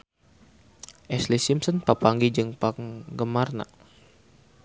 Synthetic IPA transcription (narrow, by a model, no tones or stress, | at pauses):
ʔɛslisimsɔnpapaŋɡid͡ʒɨŋpaŋɡəmarna̰